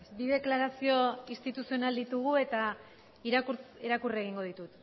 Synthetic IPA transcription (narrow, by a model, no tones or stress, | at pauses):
biðe̞klaɾasio̞ist̪it̪usio̞nald̪it̪uɣue̞t̪a | iɾakuɾt͡seɾakure̞ɣiŋɡo̞ð̞it̪ut̪